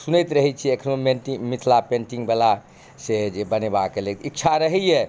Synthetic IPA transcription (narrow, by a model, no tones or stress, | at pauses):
sunəjt̪ɾəɦɛt͡ʃʰiekʰənomenʈimit̪ʰlapẽɳʈiŋɡbela | sed͡ʒebənebakːelet̪itːt͡ʃʰaɾəɦɛjɛ